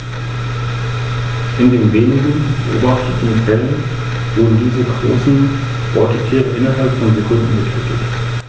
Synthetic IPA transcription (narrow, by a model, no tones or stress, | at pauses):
ʔɪndeːnveːnɪɡən̩bəʔo̰ːbaftətn̩fɛlən | v̥ʊɐdn̩diːzəɡʁo̰ːsn̩ | ʔɔtʰətʰiːʁəʔɪnɐɦalpfɔnzekʰʊnn̩ətʰɛːtʰət